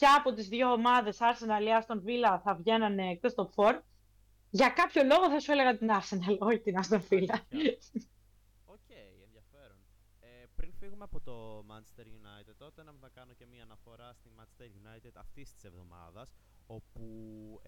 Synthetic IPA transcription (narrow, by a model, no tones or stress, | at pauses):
ceɐpo̞t̪izðʝo̞ːmɐðe̞sɐɾsenɐliɐst̪o̞nfilɐθɐvʝe̞nɐneːk̚t̪est̪opfo̞ɾ | ʝɐkɐpço̞lo̞ɣo̞θɐsue̞le̞ɣɐt̪inɐɾsenɐloçit̪inɐst̪onfilɐ | ocejenðjɐfeɾon | epɾinfiɣumeɐpot̪omɐnest̪eɾʝunɐjt̪ed̪̚ot̪enɐmθɐkɐnocemiɐːnɐfo̞ɾɐst̪imɐnt͡ʃst̪eɾʝunɐjt̪id̪ɐft̪ist̪i̥se̞vðo̞̰mɐ̰ðɐs | o̞pu